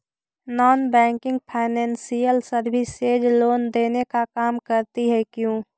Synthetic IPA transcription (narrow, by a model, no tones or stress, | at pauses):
nɔːnbɛ̃ːŋkɪ̃ŋɡ̚pʰaːɪnɛ̃ːnsijəlsəɾbɪseːd͡ʒloːnd̪eːnekakaːmkəɾt̪iɦɛkjũː